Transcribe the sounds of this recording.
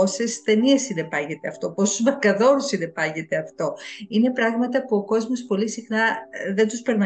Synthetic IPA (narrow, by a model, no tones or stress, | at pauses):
osest̪e̞niesiðe̞pɐʝe̞t̪eɐft̪o̞posuzmɐkɐðo̞ɾusiðebɐʝe̞t̪e̞ɐft̪o̞ine̞pɾɐɣmɐt̪ɐpuoko̞zmo̞spo̞lisixnɐðe̞nd̪uspe̞ɾnɐ